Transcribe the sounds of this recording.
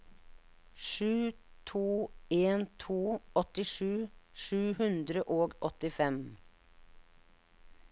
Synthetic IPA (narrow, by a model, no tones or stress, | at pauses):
ʂʉːt̪ʰuːeːnt̪ʰuːɔt̪ɪʂʉːʂʉːhʉnd̪ɾəʔoːɡʔɔt̪ɪfɛm